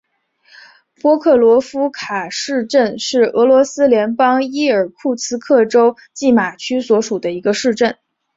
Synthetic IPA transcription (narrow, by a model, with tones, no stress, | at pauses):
pwɔ˥kʰɤ˥˩lwɔ˧˥fu˥kʰa˨˩ʂɻ̩˥˧ʈ͡ʂə˥˧nʂɻ̩˥˩ɤ˧˥lwɔ˧˥sɹ̩˥ljɛ˧˥npɑ˥ŋi˥ə˞˨˩kʰu˥˩t͡sʰɹ̩˥kʰɤ˥˩ʈ͡ʂo˥ʊ | t͡ɕi˥˩ma˨˩t͡ɕʰy˥swɔ˧˥ʂu˨˩d̪ə˦i˧˥ɡə˧ʂɻ̩˥˧ʈ͡ʂə˥˩n